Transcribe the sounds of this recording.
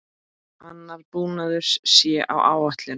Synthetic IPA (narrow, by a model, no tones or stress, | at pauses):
anːaɾpuːnaðʏɾ̥ssjɛʔa̰wʔaːwaht̪lɪ